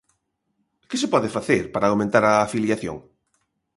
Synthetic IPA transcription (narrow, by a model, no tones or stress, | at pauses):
kɪsepɔðefaθeɾpaɾawmẽnt̪aɾaːfiljaθjo̰ŋ